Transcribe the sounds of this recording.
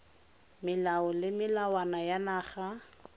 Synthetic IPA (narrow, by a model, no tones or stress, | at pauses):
mɪlaɔlɪmɪlawanajanaːχa